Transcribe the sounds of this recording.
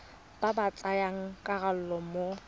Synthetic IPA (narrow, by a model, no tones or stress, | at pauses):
b̥abat͡sʼajaŋ̩kʼaɣalʊlɔmo